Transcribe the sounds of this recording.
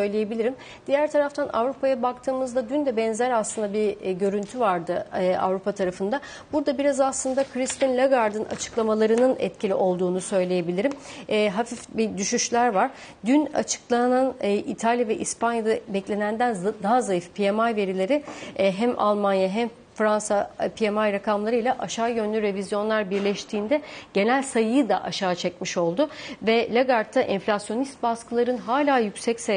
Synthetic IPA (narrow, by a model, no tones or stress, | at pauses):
sø̞jlʲeje̞bilʲiɾim | d̪̥ijæɾt̪ʰaɾaft̪ʰana̰vɾupʰajabak̚t̪ʰɯːmɯzd̪ad̪ynd̪ɛbɛnzæɾaslˠɯnd̪abiɟø̞ɾynt̪ʰyvaɾd̪ɯa̰vɾupat̪ʰaɾafɯnd̪a | b̥uɾd̪abiɾazaslˠɯnd̪akʰɾist̪inlʲaɡaɾd̪ɯna̰t͡ʃʰɯ̥klˠamalˠaɾɯnɯnɛ̰t̪cʰilʲiʔo̞lˠd̪uːnusø̞jlʲeje̞bilʲiɾimːɦafifbid̪yʃyʃlʲæɾvaɾ̥ | d̪yna̰t͡ʃʰɯ̥klˠananːʔit̪ʰalʲjavɛʔispʰanjad̪abɛclʲe̞nænd̪ænd̪aɦazajɯfpʰijemajve̞ɾilʲe̞ɾɪɦæma̰lˠmanjaɦɛm | fɾansapʰijemajɾakʰamlˠaɾɯjlʲˠaʔaʃaːjø̞nlʲyɾe̞vizjo̞nlˠaɾbiɾlʲɛʃt̪ʰiːnd̪ɛɟ̥e̞nælʲsajɯjɯd̪aʔaʃaːt͡ʃʰɛcmiʃo̞lˠd̪ʊvɛlʲaɡaɾt̪ʰːaʔɛɱflʲasjo̞nist̪̚baskɯlˠaɾɯnɦaːlʲaːjycsɛcse